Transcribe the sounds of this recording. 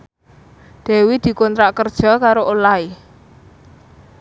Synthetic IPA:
d̪̥ɛ̤wid̪̥i̤kɔnt̪ɾaʔkərd̥ʒ̥ɔ̤kaɾoʔolai

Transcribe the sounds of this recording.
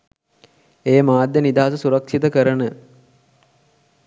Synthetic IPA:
eːmaːd̪jənid̪aːsəsuɾəkʂit̪əkəɾənə

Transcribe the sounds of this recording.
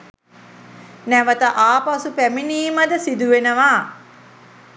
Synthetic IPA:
næʋət̪əʔaːpasupæminiːmɐd̪əsid̪uʋenəʋaː

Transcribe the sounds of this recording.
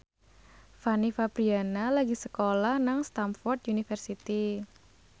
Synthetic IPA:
fanifapɾianalaɡisəkolahnaŋst̪amfɔrt̪̚ʔunifərsit̪i

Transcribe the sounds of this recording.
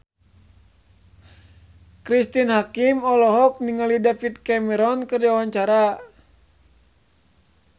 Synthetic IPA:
kɾist̪inhakimɔlɔɦɔk̚niŋalidafit̪̚kɛmɛɾɔnkɨrdiawaɲt͡ʃaɾa

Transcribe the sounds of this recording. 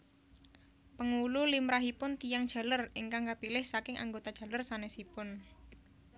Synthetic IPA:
pəŋululimɾaɦipʊnt̪ijaŋd̥ʒ̥a̤lərɪŋkaŋkapilɪhsakɪŋʔa̰ŋɡot̪ad̥ʒ̥a̤lərsanɛsipʊn

